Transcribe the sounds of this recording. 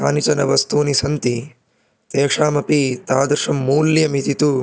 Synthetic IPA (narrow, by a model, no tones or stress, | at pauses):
a̰ːnit͡ʃɐnɐʋɐst̪uːnisɐnt̪i | t̪eːkʂaːmɐpit̪aːd̪ɾʂɐmːuːljɐmit̪it̪u